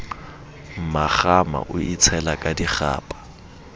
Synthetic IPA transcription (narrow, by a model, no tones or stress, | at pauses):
m̩maχama̰ʔʊʔit͡sʰɛlakʼadiχa̰ːpʼḁ